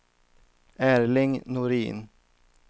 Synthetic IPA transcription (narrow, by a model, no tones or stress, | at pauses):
ʔæːɾlɪŋnʊɾḭːn